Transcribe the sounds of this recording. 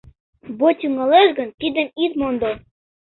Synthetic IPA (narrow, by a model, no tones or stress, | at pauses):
bot̪ʲuŋɑlˠeʃɡɤ̆nt̪ʲid̪ɘ̆mit̪mond̪o